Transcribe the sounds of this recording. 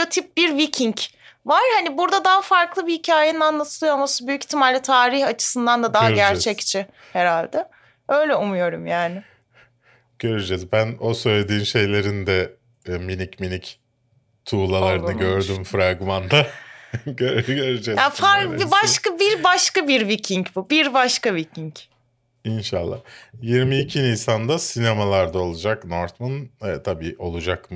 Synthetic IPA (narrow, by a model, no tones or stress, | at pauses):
ot̪ʰip̚biɾvicʰiɲc | vaɾ̥hanibuɾd̪ad̪aɦafaɾklˠɯbihicʰaːjeninanlˠat̪ʰɯlˠɯjoamasɯbyjyci̥t̪ʰːimalʲit̪ʰaːɾiçat͡ʃʰɯ̥sɯnd̪and̪ad̪aɦaɾɟæɾt͡ʃʰɛct͡ʃʰɪ | heɾalʲd̪ɛ | ø̞jlʲɛumujo̞ɾumjaːnɪ | ɟ̥ø̞ɾyd͡ʒɛzbænosø̞jlʲed̪iːnʃe̞jlʲe̞ɾind̪ɛ | minicminic | t̪ʰuːlˠalˠaɾɯnnɯɟø̞ɾd̪ymfɾaɡmand̪a | ɟøɾɟøɾyd͡ʒɛzafaɾibaʃkabiɾbaʃkabiɾvicʰiɲbubiɾbaʃkavicʰiɲc | inʃalˠːa̰hjiɾmiːcʰinijsand̪asinemalˠaɾd̪ao̞lˠud͡ʒaknoɾt̪munɛt̪ʰabiːʔo̞lˠud͡ʒakm